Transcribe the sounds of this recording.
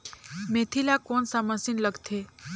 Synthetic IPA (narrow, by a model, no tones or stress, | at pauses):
met̪ʰilakonsaməsinləɡt̪ʰe